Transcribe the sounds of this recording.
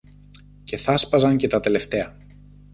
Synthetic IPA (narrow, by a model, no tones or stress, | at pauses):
ce̞θɐspɐzɐɲce̞t̪ɐt̪e̞le̞ft̪e̞ɐ